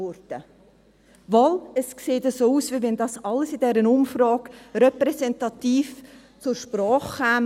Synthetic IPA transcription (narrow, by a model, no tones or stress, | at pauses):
ʊɾd̥ə | ʋɔləskseːtəsoːuːsʋiʋɛndɑːsɑlːəsid̥ɛɾənʊmfɾɑːkɾɛpɾɛsɛntɑt̪iːf | t͡sʊɾʃpɾɑːχkæːm